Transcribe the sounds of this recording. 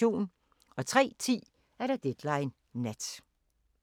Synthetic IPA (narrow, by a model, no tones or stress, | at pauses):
o̝̰ːn | ɒ̽t͡sʰʁɛ̰ːt͡sʰḭː | æɐɾ̥ɑ̈d̥ed̥lɑ̈ɪnː | æd̥